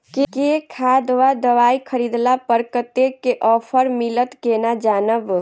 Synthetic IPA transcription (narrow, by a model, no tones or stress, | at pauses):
kekekʰad̪ʋad̪əʋaikʰəɾid̪lapəɾkət̪ekeʔɔpʰəɾmilət̪kenad͡ʒanəb